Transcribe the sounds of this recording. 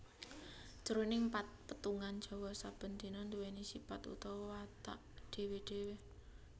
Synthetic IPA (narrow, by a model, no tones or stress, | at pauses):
t͡ʃəɾonɪŋpat̪̚pət̪uŋand̥ʒ̥ɔ̤wɔsab̥ə̤nd̪̥inɔnd̪uwenisipat̪ṵt̪ɔwwat̪a̰ʔɖ̥e̤weɖ̥e̤we